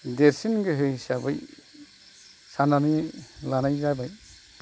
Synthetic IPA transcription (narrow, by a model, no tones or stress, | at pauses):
deɾsinɡɯɦɯjsabɯj | sananilanajzabaj